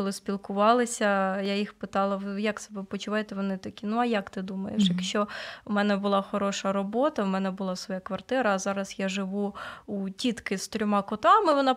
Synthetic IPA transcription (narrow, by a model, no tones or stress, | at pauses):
ɔlˠɪspʲilˠkʊʋɑlˠɪsʲɐjajixpɪt̪ɑlˠɐʋjɐksɔbɪpɔt͡ʃʊʋɑjet̪ɛʋɔnɪt̪ɐkʲinuɐjakt̪ɪd̪umɐjḛʃjɐkʃt͡ʃɔmɛnɛbʊlˠɑxɔɾɔʃɐɾɔbɔt̪ɐwmɛnɛbʊlˠɑsʋɔjakʋɐrt̪ɪɾɐːzɑɾɐsjaʒɪʋuutʲit̪kɪst̪ɾʲɔmɑkɔt̪ɑmɪʋɔnɑ